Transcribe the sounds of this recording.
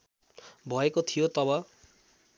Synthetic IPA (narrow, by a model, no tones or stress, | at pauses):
bʱʌekot̪ʰijot̪ʌbʌ